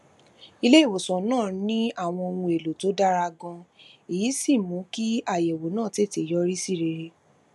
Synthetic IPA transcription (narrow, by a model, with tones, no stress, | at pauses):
i˧le˦i˦˨wo˨sɔ̃˨nãː˦˨nĩ˦a˦˨w̃ɔ̃˧o˧nũ˧e˨lo˨to˨˦da˦ɾa˧ɡɔ̃˧i˨ji˨˦si˦˨mũ˨˦ki˦a˦˨jɛ˨wo˨˦nãː˦˨te˦˨te˨jɔ˦ɾi˦si˦˨ɾe˧ɾe˧